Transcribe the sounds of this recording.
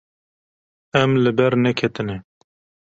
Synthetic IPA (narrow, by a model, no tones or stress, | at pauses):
ɛmlɨbɛɾnɛkʰɛt̪ɨne